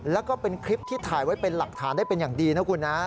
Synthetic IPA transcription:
lɛː˦˥wkɔː˥˩pe˧nkʰɾi˦˥p̚t̪ʰiː˥˩t̪ʰaː˨˩jwa˦˥jpe˧nla˨˩k̚t̪ʰaː˩˦ndaː˥˩jpe˧njaː˨˩ŋdiː˧na˦˥kʰu˧nːa˦˥

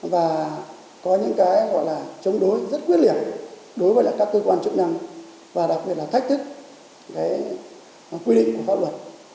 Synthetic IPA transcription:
vaː˨˩ | kɔ˨˦ɲɨ̰˧˥ŋkaː˨˦jɣɔ̰˧˨jlaː˨˩t͡ɕə˨˧˦wŋ͡mɗo˨˦jzə˦˥t̚kwt̚li˧˩ən | ɗo˨˦jvəː˨˦laː˨˩kaː˦˥kːəː˧kwaː˧nt͡ɕɨ˦˥k̚na˧ŋ | vaː˨˩ɗa˨˩k̚ɓi˨˩t̚laː˨˩t̪ʰk̚t̪ʰɨ˦˥k̚ | kaː˨˦j | kwi˧ɗḭ˧˨ŋ̟ku˧˩əfaː˧˩lwə˨˩t̚

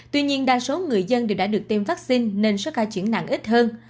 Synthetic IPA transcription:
t̪wi˧ɲi˧ənɗaː˧˩so˨˦ŋɨ˨˩əjzə˧nɗe˨˩wɗa̰ː˧˥ɗɨ˨˩ək̚t̪i˧mvaː˦˥k̚si˧nːe˧nso˦˥t̚xaː˧˩t͡ɕi˧˩˥əna̰ː˧˨ŋʔi˦˥t̚həː˧n

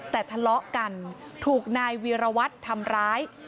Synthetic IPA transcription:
t̪ɛː˨˩t̪ʰa˧lɔ˦˥ʔka˧nt̪ʰuː˨˩k̚naː˧jwiː˧ɾa˧wa˦˥t̪ʰːa˧mɾaː˦˥j

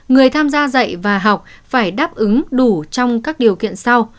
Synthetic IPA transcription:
ŋɨ˨˩əjt̪ʰaː˧mzaː˧zə̰˧˨jvaː˨˩ɦa˨˩wk͡p̚faː˧˩jɗaː˦˥p̚ʔɨ˨˦ŋɗu˧˩t͡ɕɔ˧wŋ͡mkaː˦˥k̚ɗi˨˩əwkḭ˧˨ənsa˧w

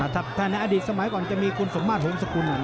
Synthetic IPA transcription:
aː˧˩t̪ʰa˦˥p̚t̪ʰːaː˧˩n˧jʔaː˧diː˨˩t̪̚sa˧ma˨˦jkɔː˨˩nt͡ɕa˨˩miː˧kʰu˧nso˨˦maː˧˩t̚ho˨˦msa˧˩ku˧nː˨˩

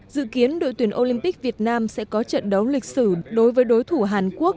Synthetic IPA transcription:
zɨ̰˧˨ki˨˦ənɗo̰˧˨jt̪wi˧˩ənʔo˧li˧mpi˦˥k̚vi˨˩ət̚naː˧msɛ̰˧˥kɔ˨˦t͡ɕə̰˧˨nɗə˨˦wlï˨˩k̟̚sɨ˧˩ɗo˨˦jvəː˨˦jɗo˨˦jt̪ʰu˧˩ɦaː˨˩nku˦˥ək̚

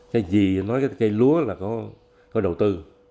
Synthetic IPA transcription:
kaː˨˦jzi˨˩nɔ˨˦jkaː˨˦kaː˧˦jlu˨˦əlaː˨˩kɔ˨˦ | kɔ˨˦ɗə˨˩wt̪ɨ˧

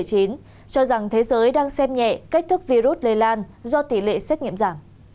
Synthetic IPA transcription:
jt͡ɕi˨˦n | t͡ɕɔ˧za˨˩ŋt̪ʰe˨˦zəː˨˦jɗaː˧ŋsɛ˧mɲɛ̰˧˨ka˦˥k̚t̪ʰɨ˦˥k̚vi˧zu˦˥t̚le˧˩laː˧n | zɔ˧t̪i˧˩lḛ˧˨sɛ˦˥k̚ɲḭ˧˨əmzaː˧˩m

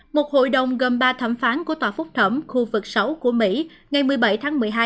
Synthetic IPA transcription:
mo˨˩t̚ho̰˧˨jɗə˨˩wŋ͡mɣə˨˩nɓaː˧t̪ʰə˧˩mfaː˨˦nku˧˩ət̪waː˨˩fʊ˦˥k͡p̚t̪ʰə˧˩mxu˧vɨ˨˩k̚sə˨˦wku˧˩əmḭ˧˥ŋa˨˩jmɨ˨˩əjɓa˧˩jt̪ʰaː˨˦ŋmɨ˨˩əjɦaː˧j

